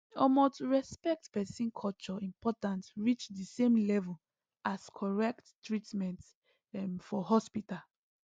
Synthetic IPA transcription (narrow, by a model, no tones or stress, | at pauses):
ɔmostɹɛspɛk̚tpɛsĩnkʰɔlt͡ʃɔĩmpɔtãntɹit͡ʃdisẽmlɛvɔl | askʰɔɹɛkttɹitmɛ̃nt | fɔɦɔspital